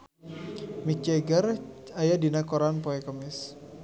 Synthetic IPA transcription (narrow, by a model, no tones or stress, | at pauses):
mit͡ʃɛɡəɾajadinakɔɾanpɔɛkəmis